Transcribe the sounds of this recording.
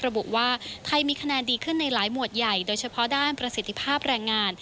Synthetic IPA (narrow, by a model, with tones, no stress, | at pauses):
ɾa˧bu˨˩ʔwaː˥˩t̪ʰa˧jmiː˧kʰa˧nɛː˧ndiː˧kʰɯ˥˩nːa˧jlaː˩˦jmu˨˩ət̪̚ja˨˩jdoː˧jt͡ɕʰa˧pʰɔ˦˥daː˥˩npɾa˧si˨˩t̪ʰːi˧˥pʰaː˥˩p̚ɾɛː˧ŋːaː˧n